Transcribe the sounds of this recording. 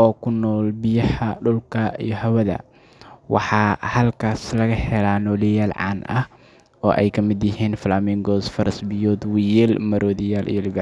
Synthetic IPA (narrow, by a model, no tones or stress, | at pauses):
ʔɔːkʰʊnːɔːlbɪjɐħɐɖʊlkʰɐḭjɞhɐwɐðɐ̰ | wɑ̰ħɑːhɐlkʰaːslɐɣɐhɛlaːnɔːlɪjaːlʕɑ̰ːnʔɐ̰h | ɔːʔɛjkʰɐmɪd̪jɪɦiːnfɐlaːmiːŋɡɔːsfɐɾɐsbɪjɔːd̪wɪjɪlmɐɾʔɔːðɪjaːlʔḭjɔlɪbɪ